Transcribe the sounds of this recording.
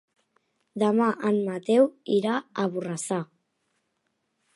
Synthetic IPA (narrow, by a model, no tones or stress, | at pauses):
d̪amaʔanmat̪ewiɾaaβurasa